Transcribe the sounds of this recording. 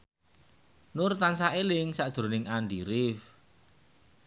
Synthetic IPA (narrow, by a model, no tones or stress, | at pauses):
nʊrt̪ansaʔelɪŋsaʔd̥ʒ̥ɾo̤nɪŋanɖiɾɪf